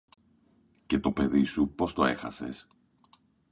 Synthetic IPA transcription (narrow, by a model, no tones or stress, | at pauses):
ce̞t̪o̞pe̞ðisupo̞st̪o̞e̞xɐ̰se̞̰s